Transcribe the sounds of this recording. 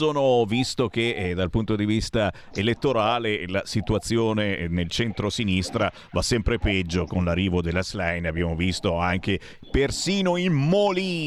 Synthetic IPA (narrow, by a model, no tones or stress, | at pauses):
oːnovist̪ok̟ed̪alpunt̪od̪ivist̪a | elet̪ːoɾaːlelasit̪uat̪sːjoːnenelt͡ʃɛnt̪ɾosinist̪ɾa | vasːɛmpɾepɛd͡ʒːokonlarːiːvod̪elːaslajnabjaːmovist̪oaŋk̟e | persiːnoimmoliː